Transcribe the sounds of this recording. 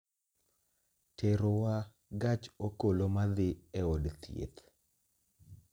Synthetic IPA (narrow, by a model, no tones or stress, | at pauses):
tʰeɾowa | ɡat͡ʃokolomad̪ɪɛodt̪jḛt̪